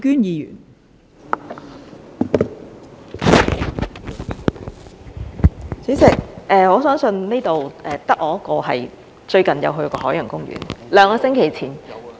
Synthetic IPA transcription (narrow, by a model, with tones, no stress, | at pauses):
kyː˥njiː˨˧jy̰ː˨˩n | t͡si˨˥sɪ˨k̚ʔɛː˨ŋɔː˨˧sœː˨˥ŋsɵ˧nne˥jt̪o˨wʔɛː˨˩t̪ɐ˥k̚ʔɔː˨˧ɐ˥kɔː˧ɦɐ̰˨j | t͡ʃɵ˧ɥkɐ˨njɐ̰˨˧wɦɵ˧ɥkɔː˧ɦɔː˨˥jɐ˨˩ŋkʊ˥ŋɥy̰ː˨˩nlœː˨˧˥ŋkɔː˧sɪ˥ŋkʰe˨˩jt͡sʰiː˨˩n